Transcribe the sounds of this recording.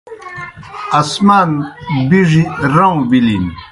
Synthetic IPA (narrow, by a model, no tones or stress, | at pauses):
ɐsmaːnbiʐiɾaw̃bilin